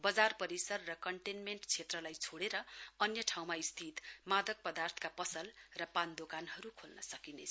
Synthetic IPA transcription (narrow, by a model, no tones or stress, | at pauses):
bʌd͡zarpʌɾisʌrːʌkʌɳʈenmeɳʈt͡sʰet̪rʌlajt͡sʰoɽeɾʌʌnjʌʈʰaw̃maist̪ʰit̪mad̪ʱʌk̚pʌd̪art̪ʰʌ̥kapʌsʌlrʌpand̪okanɦʌɾukʰolnʌ̰sʌkinḛt͡sʰ